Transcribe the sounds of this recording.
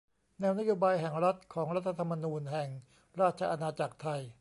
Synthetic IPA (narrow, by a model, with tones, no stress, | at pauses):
nɛː˧wna˥joː˧baː˧jɦɛ˨˩ŋɾa˦˥t̪̚kʰɔː˩˦ŋɾa˦˥t̪ʰːa˧t̪ʰa˧mːa˧nuː˧nɦɛ˨˩ŋ | ɾaː˥˩t̪̚t͡ɕʰa˧ʔa˧naː˧t͡ɕa˨˩k̚t̪ʰa˧j